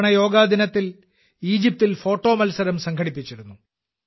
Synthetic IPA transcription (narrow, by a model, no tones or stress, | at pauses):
ɳɐjo̞ːɡaːd̪inɐt̪ːil | iːd͡ʑip̚t̪ilfo̞ːʈːo̞ːmɐlsɐɾɐmsɐŋkʰɐɽipːit͡ɕːiɾunːu